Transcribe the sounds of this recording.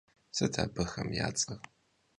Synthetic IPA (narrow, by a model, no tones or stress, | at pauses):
sɐdʰaːbɐxɐmjaːt͡sʼɐʁ